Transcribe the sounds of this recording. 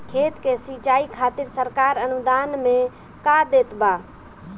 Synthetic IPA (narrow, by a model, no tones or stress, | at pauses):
kʰeːt̪kesit͡ʃaːikʰaːt̪ɪɾsəɾkaːɾənud̪aːnmẽ | kad̪eːt̪ba